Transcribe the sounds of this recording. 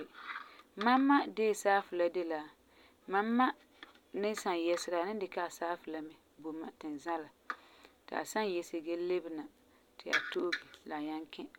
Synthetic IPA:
ma˦mːa˦deː˦˨saː˦fʊ˨la˦dɪ˦la˨ | ma˦mːa˦ | nɪ˦sa˨njɛ˨sɪ˨ɾa˨nɪ˦dɪ˨ka˦a˨saː˦fʊ˨la˨mɛ˦ | bo˨ma˦tɪ˨n˨za˦la˨tɪ˨a̰˨sa˦njɛ˨sɪ˨ɡe˦le˦bɪ˨na˨ | tɪ˨ʔa̰˨to˦ɡɪ˨la˨ɲa˦ŋkɪ̃˦

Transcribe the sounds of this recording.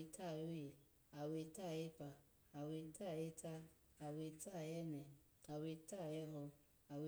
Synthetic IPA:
ta˦˨o˦je˨ | a˨we˧ta˦˨je˦pa˨ | a˨we˧ta˦˨e˦ta˦ | a˨we˧ta˦˨jɛ˦nɛ˨ | a˨we˧ta˦˨jɛ˦lɔ˧ | a˨we˧

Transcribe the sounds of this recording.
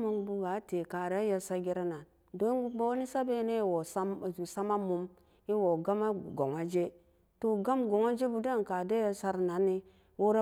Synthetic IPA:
mu˨˦ŋbu˦ɡa˨˦te˨ka˨ɾe˦ja˦sa˦ɡi˦ɾa˦na˨n | do˦u˦ba˦wni˦sa˦be˦ne˦˨wo˨a˦˨zu˨sa˦ma˦mu˨m | i˦wo˨ɡa˦ma˦ɡo˨ŋa˦d͡ʒe˦ | to˨ɡa˦mɡo˨ŋa˦d͡ʒe˦bu˨da˦˨ka˨de˦ja˦sa˦ɾna˨˦nːi˦ | wo˦ɾa˦

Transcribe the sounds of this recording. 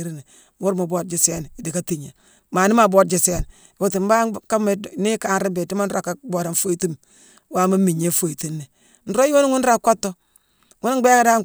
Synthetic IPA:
ɾi˦ne˨ | m˦u˦ɾma˨bo˦t̚d͡ʒi˨se˦n˨i˨di˨ka˦ti˨ɲe˨ | ma˨ni˦ma˨bo˦t̚d͡ʒi˨se˦n˨ | wo˨ti˨m˦ba˦ka˦ma˨ni˦ka˨˦nɾi˦be˨ti˦ma˦n̩˦ɾo˦˨ka˦bo˨ɾa˨n˦fo˦i˨ti˦m | wa˦ma˦mi˨ɲe˦fo˦i˨ti˦nːe˨ | n̩˨ɾo˦jo˦n˦ŋu˦n˦ɾa˦ko˦tːo˦ | ŋu˦n˦ɡ͡be˦ka˦da˦

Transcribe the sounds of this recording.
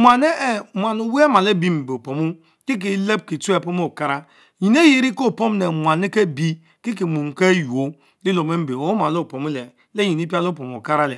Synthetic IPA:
mʷa˨ne˦e˦mʷ˨a˨nu˨we˦e˦ma˨le˦bi˦m̩˨be˨o˨po˨mu˦ | ki˦k̬i˨˦le˦b̚ki˨tu˦e˦˨po˦m˦o˦˨ka˦ɾa˦ | ji˨n˦e˦ji˨ɾi˦ko˦˨po˦m˦ne˨mʷa˨ne˦ke˦bi˦ | ki˦k̬i˨mu˨ŋ˨ke˦ju˨o˦ | li˦lo˨me˦m̩˦be˨o˦ma˨lo˦˨po˨mu˦le˨ | le˦ɲi˨ni˦pi˦a˦lo˦˨po˨m˨o̰˨ka˦ɾa˦le˨

